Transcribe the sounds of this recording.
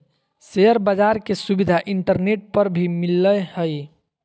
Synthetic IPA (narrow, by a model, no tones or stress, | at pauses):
seəɾbəd͡ʒaɾkesubid̪ʱaʔiɳʈəɾneʈ̚pəɾbʱimilːəhəj